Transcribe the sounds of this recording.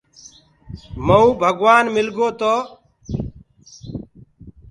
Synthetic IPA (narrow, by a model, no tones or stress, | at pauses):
məũːbʱəɡʋaːnmɪlɡoːt̪oː